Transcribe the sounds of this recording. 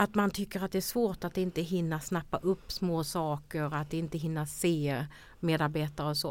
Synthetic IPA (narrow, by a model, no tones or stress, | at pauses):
at̪mant̪ʰʏkːəɾat̪̚d̪ɛæʂvoːʈat̪̚ɪnt̪əɦɪnːasnapːaʔɵpːsmoːsɑːkəɾat̪̚d̪ɛɪnt̪əɦɪnːaseː | meːd̪aɾbeːt̪aɾəɔsɔ̰ː